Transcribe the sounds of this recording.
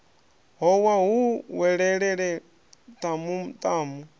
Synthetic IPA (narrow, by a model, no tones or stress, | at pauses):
ɦɔwaɦuwɛɺɛɺɛɺɛ | t̪ʼamut̪ʼaːmu